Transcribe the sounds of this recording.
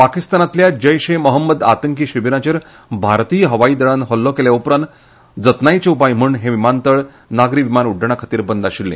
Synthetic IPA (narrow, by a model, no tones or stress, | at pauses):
pakist̪anat̪ljad͡ʑəjɕeməɦəmːəd̪at̪əŋkiːɕibiɾat͡ɕeɾ | bʱaɾt̪iːjəɦəʋaiːd̪əɭanɦəlːɔkeljaopɾan | d͡zət̪najt͡ɕeupajm̤uɳɦeʋimant̪əɭ | naɡɾiːʋimanuɖʱɳ̃akʰat̪iːɾbənd̪aɕilːḛ̃